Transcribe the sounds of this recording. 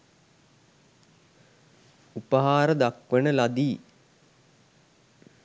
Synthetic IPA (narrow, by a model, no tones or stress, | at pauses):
upəɦaːɾəd̪akʋənəlad̪iː